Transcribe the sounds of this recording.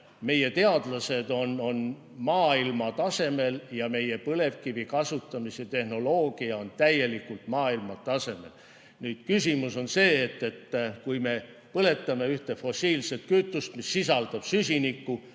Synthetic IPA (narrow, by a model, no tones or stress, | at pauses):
me̞je̞t̪e̞ɑd̪̥lɑse̞d̪̥o̞no̞n | mɑːilmɑt̪ɑse̞me̞ljɑme̞je̞pɤle̞vkivikɑsut̪ˑːɑmisjɑt̪e̞hno̞lo̞ːɡ̥iɑo̞nt̪æje̞likːult̪mɑːilmɑt̪ɑse̞me̞̰l | nyːd̪̥kysimuso̞nse̞ːt̪ːe̞t̪ːkujme̞ | pɤle̞t̪ːˑɑme̞yht̪e̞fo̞siːlse̞t̪̚kyt̪ːˑust̪misːisɑld̪̥ɑb̥sysinikːu